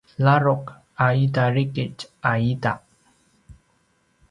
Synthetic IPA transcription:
laɾʊk | aidaɾikɪt͡ʃaida

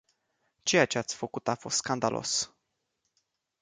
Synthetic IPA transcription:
t͡ʃe̞jat͡ʃe̞at̪sʲfəkut̪afo̞̰st̪skand̪alʔo̞̰s

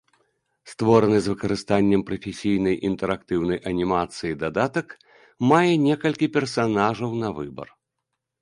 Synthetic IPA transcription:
st̪vɔɾɐnɨzvɨkɐɾɨst̪anʲːɐmpɾɐfʲesʲijnɐjʔint̪ɛɾakt̪ɨwnɐjʔɐnʲimat̪sɨjid̪ad̪at̪ɐk | majɛnʲɛkɐlʲkʲipʲɛrsanaʐɐwnɐvɨbɐ̰r

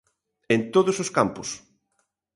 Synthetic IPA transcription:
ent̪oðʊsoskampʊs

